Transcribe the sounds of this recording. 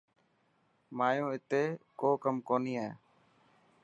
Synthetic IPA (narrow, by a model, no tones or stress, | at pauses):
maːjõːɪt̪eːkoːkəmkoːniːaeː